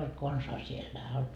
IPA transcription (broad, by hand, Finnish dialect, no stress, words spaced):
olt konsɑː sielːæ